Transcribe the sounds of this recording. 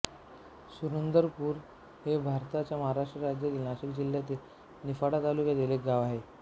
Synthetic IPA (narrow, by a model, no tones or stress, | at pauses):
suɾənd̪əɾpuːɾ | hebʱaɾt̪at͡ɕjaməɦaɾaʂʈɾəɾad͡ʑjəd̪ilnaɕikd͡ʑiljat̪e | nifaɽat̪alukjad̪elek̚ɡaʋaɦe